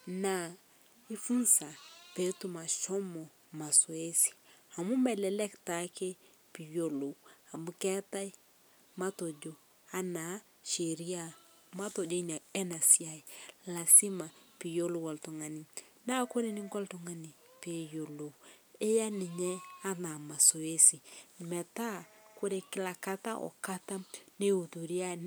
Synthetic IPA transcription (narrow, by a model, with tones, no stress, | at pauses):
na˨ | i˦fu˦nsa˨pe˨˦tu˦ma˨ʃɔ˦mo˨ | ma˨swe˦si̥˨a˨mu˦mba˦˨lɛ˨lɛ˦kta˦ke˦ | pi˨jo˨lo˨a˨mu˦kɛ˦ta˦i˦ | ma˦to˨d͡ʒo˨ | a˦na˨˦ | ʃe˨ɾi˦a˦ | ma˦to˨d͡ʒo˦i˦ɲa˨ɛ˦na˨sja˨i˨la˨si˦ma˨pi˨jo˦lo˦wɔ˨ltu˨ŋa˨ni˨ | na˦ko˦ɾe˦ni˦ŋ˦kɔ˦ltu˨ŋa˦ni˨pe˨jo˨lo˨e˦ja˦nɪ˨ɲɛ˦a˦na˨ma˨so˨e˦si˨mɛ˨ta˦ko˦ɾe˨kɪ˦la˨ka˦ta˦ʔɔ̰˨ka˦ta˦ne˦u˨tu˨ɾja˦˨